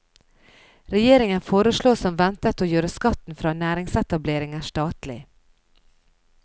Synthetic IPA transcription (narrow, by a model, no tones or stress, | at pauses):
ɾɛjeːɾɪŋənfoːɾəʃɭoːsɔmʋɛnt̪ət̪oːjøːɾəskɑt̪n̩fɾɑːnæːɾɪŋsɛt̪ɑbleːɾɪŋəʂt̪ɑːt̪lɪ̰